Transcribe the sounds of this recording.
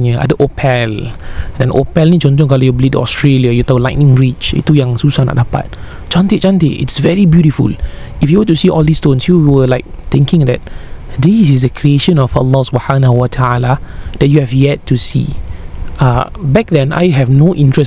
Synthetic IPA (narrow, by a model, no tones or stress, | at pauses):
nəʔa̰dəʔopʰɛldɛ̃nopɛlnid͡ʒɔ̃nd͡ʒɔ̃ŋkalojublitṵɔ̰stɹeljajut̪ɔlaɪʔ̚nĩŋɹit͡ʃḭtːujãŋsusanɔ̰ʔdapa̰t̚ | t͡ʃãntet͡ʃãnteʔḭtsvɛɹibjuɾifṵl | ifjuwətusiʔɔldistõnsjuwəlaɪk̚t̪ɪ̃ŋkɪ̃ŋdɛt̚disis̬dəkʰɹieʃə̃nɔfə̰lːɔsubhanahuwatʰaalad̥ɛt̚juhɛvjɛtːusḭ | abɛk̚dɛ̃na̰jɦɛvnoʔĩntɹəs